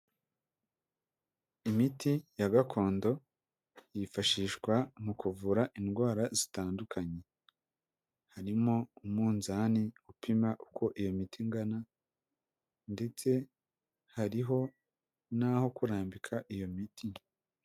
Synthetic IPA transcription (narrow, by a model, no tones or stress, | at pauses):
imitijaɡakʰo̞ːndo̞ | jifaʃiːʃkwamukuvuːɾaʔinɡwaːɾazitaːndukʰaɲe̞ | haɾimo̞umuːnzaniupimaʔuko̞ʔijo̞mitʰiŋɡana | nde̞t͡se̞ | haɾiɦo̞ | naːho̞kuɾaːmbikʰaʔijo̞mitʰi